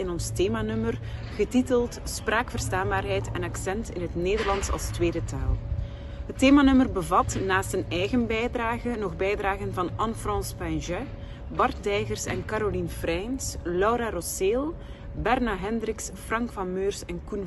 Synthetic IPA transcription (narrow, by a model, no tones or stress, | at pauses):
ɪnɔnsteːmaːnɵmərɣətitəlˠtsprʔaːkfər̥staːnbaːrɦɛjtɛnɑksɛntɪ̰nɦətneːdərlɑnsɑ̰lˠstweːdətaːlˠ | ɦəteːmanɵmərbəvɑtnaːsthənɛjɣənbɛjdraːɣənɔɣbɛjdraːɣənvɑnɑnfrɑ̃ːspɛnʒɛ | bɑrtdɛjɣərsɛ̰nkaɾolinfrɛjnslɔwɾarɔseːlˠ | bɛrnaɦɛndrɪksfrɑŋkfɑmøːrsɛnkun